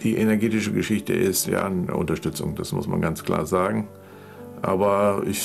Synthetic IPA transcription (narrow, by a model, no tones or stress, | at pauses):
d̥iːʔenɛɐɡeːtɪʃəɡəʃɪçtə̰ʔɪstja̰ːʔʊ̰ntɐʃtʏt͡sʊŋd̥asmʊ̰sma̰nɡant͡skl̥a̰ːɐzaːɡŋ̩ | ʔa̰ːbɐɪç